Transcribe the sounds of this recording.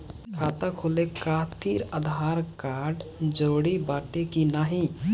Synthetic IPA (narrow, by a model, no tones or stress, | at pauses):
kʰaːt̪akʰolekaːt̪ʰiɾəd̪ʱɦaːɾkaːɾɖd͡ʒoːɽibaːʈekinaːɦĩ